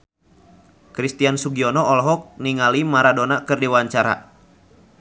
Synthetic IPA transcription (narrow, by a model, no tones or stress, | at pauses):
kɾist̪iansuɡiɔnɔɔlɦɔk̚niŋalimaɾadonakɨrdiwaɲt͡ʃaɾa̰